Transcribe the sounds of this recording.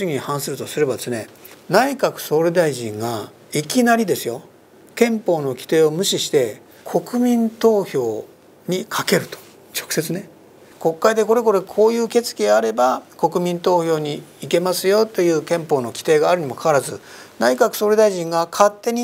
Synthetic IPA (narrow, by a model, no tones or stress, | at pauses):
ɕiɡʲiɲihãɰ̃sɨɾɯ̟t̪o̞sɨɾe̞bad̪e̞sɨne̞̰ | naikakɯ̟̥so̞ːɾed̪aiʑḭ̃ŋɡa | ikʲinaɾʲid̪e̞sɨjo̞ | kẽ̞mpo̞ːno̞kʲi̥t̪e̞ːo̞mɯ̟ɕiɕi̥t̪e̞ | kʰo̞kɯ̟mʲĩnt̪o̞ːço̞ː | ɲ̟ikʰake̞ɾɯ̟t̪o̥ | t͡ɕokɯ̟̥se̞t͡sɨne̞ | ko̞kːaid̪e̞ko̞ɾe̞k̬o̞ɾe̞kʰo̞ːjɯ̟ːke̞t͡sɨ̥kʲiaaɾe̞bako̞kɯ̟mʲĩnt̪o̞ːçʲo̞ːɲ̟iːke̞masɨjo̞t̪ːe̞jɯ̟ːkẽ̞mpo̞ːno̞kʲi̥t̪e̞ːɡaːɾɯ̟ɲ̟imo̞kʰaaɾazɨnaikakɯ̟̥so̞ːɾe̞d̪aiʑĩŋɡakʰat̪ːe̞ɲ̟i